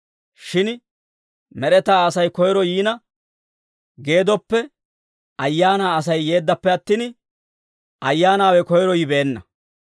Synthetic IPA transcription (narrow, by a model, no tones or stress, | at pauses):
ʃɪn | mɛɾɛt̪aːɐsɐjkɔjɾɔjiːnɐ | ɡe̞ːd̪ɔpːɛ | ɐjːaːnaːɐs̬ɐjːe̞ːd̪ːɐpːɛɐt̪ːin | ʔɐjːaːnaːwɛkɔjɾɔjɪbe̞ːnːɐ̰